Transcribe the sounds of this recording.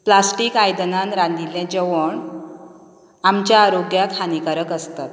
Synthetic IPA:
plasʈiːkajd̪ənanɾand̪iljãd͡ʑəʋəɳ | amt͡ɕjaːɾoɡjak̪ʰhanikaɾəkəst̪at̪̚

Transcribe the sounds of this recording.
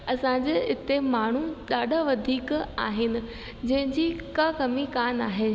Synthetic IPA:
ɐsãd͡ʑeɪt̪emaːɳ̤uɗaːɗʱaʋɐd̪ʱiːkaːɦɪnɪ̆ | d͡ʑɐ̃ɦɪ̃ɲd͡ʑikakɐmikaːnaːɦeː

